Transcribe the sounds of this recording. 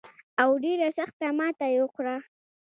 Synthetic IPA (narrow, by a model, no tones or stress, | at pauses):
awɖeɾasaxt̪amɑt̪ajoxɾa